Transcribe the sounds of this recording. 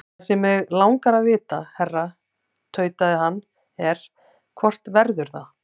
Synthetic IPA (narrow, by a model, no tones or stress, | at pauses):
sɛmɛɣlawŋkaɾaðvɪːt̪ahɛrːa | t̪ʰœːɥt̪aðɪɦanː | ɛɾ̥ | kʰɔr̥t̪vɛɾðʏɾ̥θa